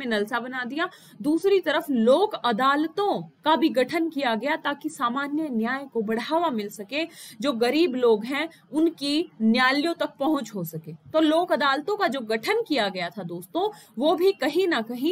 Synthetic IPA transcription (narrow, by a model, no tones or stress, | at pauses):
ẽnɐlsabɐnaːd̪ija | d̪uːsɾit̪ɐɾəfloːkɐd̪aːlt̪õkabʱiɡɐʈʰənkijaɡɐjat̪aːkisaːmaːnjənjaːjkobɐɽaːʋamɪlsɐked͡ʒoːɡɐɾiːbloːɡɦɛ̃ | ʊnkinjaːljõt̪ɐk̚pɐɦʊ̃t͡ʃɦosɐkeːt̪oːloːkɐd̪aːlt̪õkad͡ʒoːɡɐʈʰənkijaɡɐjat̪ʰad̪oːst̪õʋoːbʱikɐɦĩnɐkɐɦĩ